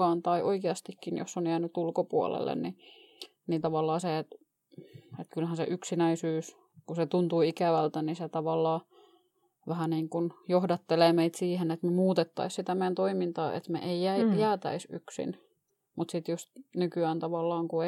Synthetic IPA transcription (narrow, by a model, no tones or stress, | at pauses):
ɑːnt̪ɑiʔoikeɑst̪ikːinjo̰sːonjæːnyt̪ulkopuo̰lḛlːḛnni | nit̪ɑʋɑlːˑɑːset̪ | et̪kylhænsḛʔyksinæisyːs | kuset̪unt̪uiikæʋælt̪æniset̪ɑʋɑlːɑː | ʋæhæniːŋkunjohdɑt̪ːeleːmeit̪siːhenet̪memuːt̪et̪ːɑ̰issit̪æmeænt̪oimint̪ɑːʔḛt̪mḛʔeijæijæːt̪æ̰isyksḭn | mut̪sit̪josnykyæːnt̪ɑʋɑlːɑːŋkue